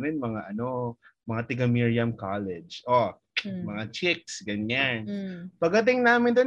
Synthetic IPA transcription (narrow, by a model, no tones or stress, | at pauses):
mɪnmɐŋaʔɐno̞mɐŋat̪ɪɡɐmiɹiɐmkalɛd͡ʒʔo | mɐŋat͡ʃɪk̚sɡɐnɲanpɐɡɐt̪̬ɪŋnaːmɪnd̪o